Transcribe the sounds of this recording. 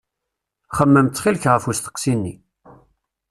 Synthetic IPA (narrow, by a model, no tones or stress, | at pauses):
χəmːəmt̪ːχilkʁəfust̪ə̥qsinːi